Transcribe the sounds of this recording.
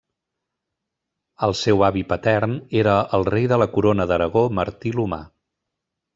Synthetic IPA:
əlˠsewaβipət̪ɛɾneɾəəlˠrejðələkuɾonəðəɾəɣ̞oməɾt̪iluma̰

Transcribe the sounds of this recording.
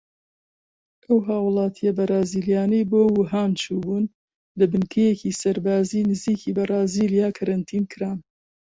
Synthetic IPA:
ʔɐwɦaːwlˠɑːt̪ʰijɐbɐɾaːziːlijaːnɐjboːwuɦaːnt͡ʃʰuːbuːn | lɐbɨnkʰɐjeciːsɐɾbaːzinɨziːkiːbɐɾaːziːlijaːkʰɐɾɐnt̪ʰiːnkʰɨɾaːn

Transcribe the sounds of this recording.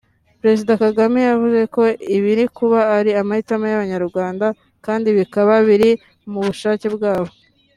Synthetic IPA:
pɾe̞zidakaɡamejavuze̞ko̞iβiɾikuβaːɾiamahitamajaβaɲaɾuɾɡwaːnda | kaːndiβikaβaβiɾi | muβuʃaːcebɡaːβo̞

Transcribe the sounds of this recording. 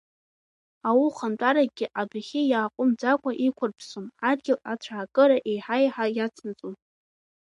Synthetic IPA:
awuχantʷʼaɾaɡʲɪʔabaχʲɪjaːqʷʼʊmd͡zakʷʼaʔikʷʰʊrpʰsomad̚ɡʲɪlat͡ɕʷʰaːkʼɨɾaʔejħajħajat͡sʰnɨt͡sʼum

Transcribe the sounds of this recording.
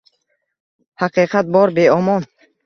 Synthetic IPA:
haqiqʰat̪̚bɔɾbeɔmɔn

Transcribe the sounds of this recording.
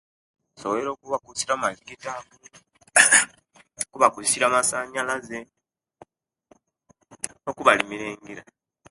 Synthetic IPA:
soβeɾo̞ːkuβakusiɾamaliɡitaku | kuβakuisiɾamasaɲalaze | okuβalimiɾeːŋɡiɾa

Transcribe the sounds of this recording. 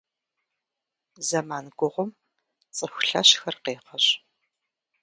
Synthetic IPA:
zɐmaːnɡʷʊʁʷʊm | t͡sʼɨxʷɬɐɕxɐrqeːqɐɕ

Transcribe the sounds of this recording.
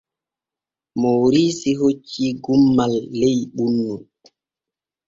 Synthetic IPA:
moɾiːsiɦot͡ʃːiɡumːalːejɓunːu

